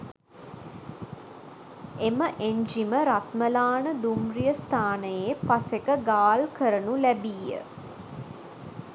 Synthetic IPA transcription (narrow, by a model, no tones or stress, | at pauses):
eməʔeɲd͡ʒiməɾat̪məlaːnəd̪umrijəst̪ʰaːnəjepasekəɡaːlkəɾənulæbiːjə̰